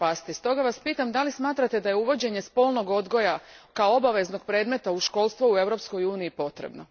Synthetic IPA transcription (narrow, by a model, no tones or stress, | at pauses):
past̪ist̪o̞ɡaʋaspiːt̪amd̪alismaːt̪ɾat̪ed̪ajeuʋo̞d͡ʑeɲe̞spo̞lˠno̞ɡo̞d̪ɡo̞jakaoobaʋe̞znoɡ̚pɾe̞ːd̪me̞t̪auʃko̞ːlˠst̪ʋoue̞ʋɾo̞psko̞juːniːpo̞t̪ɾḛbno̞